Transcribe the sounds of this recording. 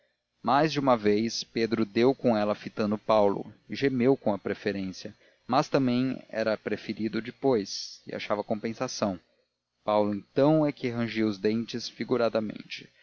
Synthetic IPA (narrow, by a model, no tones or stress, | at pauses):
majzd͡ʒɪũmɐvejsped̪ɾʊd̪ewkõɛlɐfit̪ɐ̃nd̪ʊpawlʊ̰ɪʒemewkõw̃ɐpɾefeɾẽsiɐ | mɐst̪ɐ̃mbẽj̃ɛ̰ɾɐpɾefeɾid̪ʊd͡ʒɪpojsɪ̰a̰ʃavɐkõpẽsasɐ̃w̃ | pawlʊẽnt̪ɐ̃w̃ɛkɪɦɐ̃ʒiwʊzd̪ẽnt͡ʃɪsfiɡuɾad̪ɐmḛ̃nt͡ʃɪ̥